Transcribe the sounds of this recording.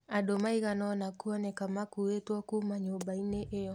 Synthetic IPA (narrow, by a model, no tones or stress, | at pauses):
adomaiɣanɔnakuɔnɛkamakuetwɔkumaɲombaineʔejɔ